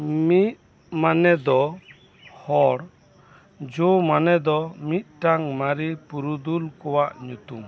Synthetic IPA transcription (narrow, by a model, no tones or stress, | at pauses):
mit̪̚ | manɛd̪ɔ | hɔɽ | d͡ʒɔmanɛd̪ɔmit̪̚ˀʈaŋmaɾipuɾud̪ulkɔwaʔɲut̪um